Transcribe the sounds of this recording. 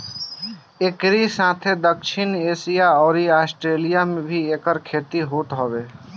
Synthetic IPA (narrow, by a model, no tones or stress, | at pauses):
ekɾisãt̪ʰed̪əkʃʰinesijaɔːɾiaːsʈɾeːlijamebʱiekəɾkʰeːt̪iɦot̪ɦɔbe